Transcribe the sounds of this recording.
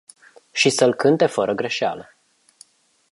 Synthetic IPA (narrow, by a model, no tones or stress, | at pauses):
ʃisəlkɨnt̪e̞fəɾʔəɡɾe̞ʃea̰lə